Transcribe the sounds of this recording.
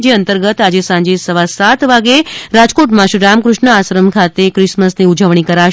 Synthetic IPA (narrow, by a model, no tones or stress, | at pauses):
d͡ʒeənt̪əɾɡət̪ad͡ʒesãɲd͡ʒesəʋasat̪ʋaɡeɾad͡ʒkoʈmãʃiɾamkɾʊʃɳəasɾəmkʰat̪ekɾɪʃməsniud͡ʒəʋɳ̃ikəɾa